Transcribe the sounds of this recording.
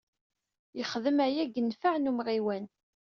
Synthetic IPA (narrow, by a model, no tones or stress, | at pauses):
jəχðəmæjæɡənfəʕnumʁiwæn